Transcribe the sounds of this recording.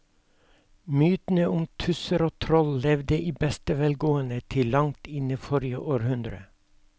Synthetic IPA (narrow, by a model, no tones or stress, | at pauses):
myːt̪n̩əʔʊmt̪ʰʉsəɾoːt̪ʰɾɔllɛʋd̪əʔiːbɛst̪əʋɛlɡoːənət̪ʰɪlɑŋt̪ɪnəfɔɾɪə̰ʔoːɾhʉnd̪ɾə̰